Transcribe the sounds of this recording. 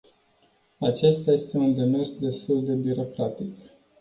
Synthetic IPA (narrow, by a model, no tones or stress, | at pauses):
at͡ʃe̞st̪aje̞st̪e̞und̪e̞me̞rsd̪e̞st̪uld̪e̞byɾo̞kɾat̪ik